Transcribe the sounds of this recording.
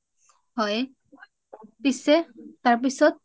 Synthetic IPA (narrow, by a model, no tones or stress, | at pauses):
hɔj | pisɛt̪aɹp̬isɔt̪̚